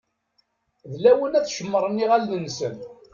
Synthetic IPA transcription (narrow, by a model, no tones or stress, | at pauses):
ðlæwənæθʃəmːəɾˤəniʁælːənsən